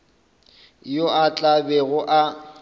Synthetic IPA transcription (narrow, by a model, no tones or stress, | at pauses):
joʔat͡ɬʼabɛɣʊʔa